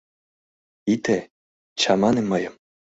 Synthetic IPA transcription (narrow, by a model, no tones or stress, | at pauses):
it̪e | t͡ɕɑmɑnemɤjɤ̆m